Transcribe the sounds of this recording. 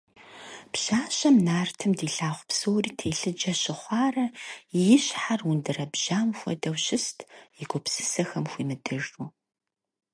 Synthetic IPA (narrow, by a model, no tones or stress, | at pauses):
pɕaːɕɐmnaːrtʰɨmdiːɬaːχʷpsoːwriːtʰeːɬɨd͡ʒɐɕɪχʷɑːrɐjɪɕħarundɨrɐbʒ̥aːmxʷɔ̰dɐwɕɪstʰjɪɡʷɔpsɨ̥sɐxɐmxʷiːmɨdɨruː